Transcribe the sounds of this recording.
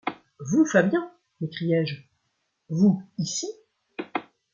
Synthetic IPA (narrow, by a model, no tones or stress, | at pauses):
vufabjɛ̃ | mekχijɛʒ | vuisi